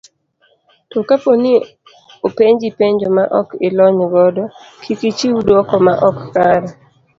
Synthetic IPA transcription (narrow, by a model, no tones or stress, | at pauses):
tɔkaponɪ | opeɲd͡ʒipeɲd͡ʒɔmaʔɔkɪlɔɲɡɔdɔkʰikit͡ʃiwudɔkɔmaʔɔkːaɾa